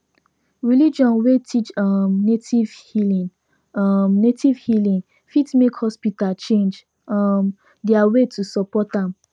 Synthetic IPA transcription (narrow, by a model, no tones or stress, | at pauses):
ɹilid͡ʒɔ̃nwetʰit͡ʃamnetivhilĩ | mnetʰivhilĩn | fitmekhɔspitalt͡ʃẽnd͡ʒ | am | dɛawetʰusɔpɔtãm